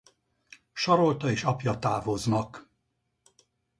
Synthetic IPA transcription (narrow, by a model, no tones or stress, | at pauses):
ʃɒɾo̞lt̪ɒeːʃɒpjɒt̪aːvo̞znɒk